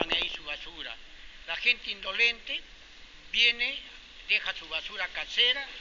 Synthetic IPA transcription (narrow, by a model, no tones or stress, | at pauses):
anajsuβasuɾa̰ | laxent̪eind̪olent̪e | βjene | d̪exasuβasuɾakaseɾa